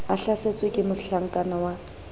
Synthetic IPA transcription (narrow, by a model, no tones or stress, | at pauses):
aɬaset͡sʼwekʼɪmʊɬaŋ̩kʼanɔwa